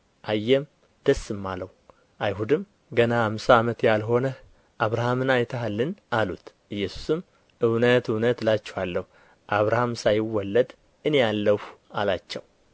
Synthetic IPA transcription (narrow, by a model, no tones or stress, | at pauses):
ʔajːɛm | d̪̥əsːɨmːaləw | ʔajɦud̪ɨm | ɡənahamsaːmət̪jalɦo̞nə | ʔaβɾahamɨnajt̪ʰəhalːɨnʔalṵt̪ | ʔɨjːɛsu̥sɨm | ʔɨwnət̪ɨwnət̪lat͡ʃːɛhalːəhu | ʔaβɾahamsajɪwɔlːəd̪ | ɨne̞alːəhalat͡ʃːɛw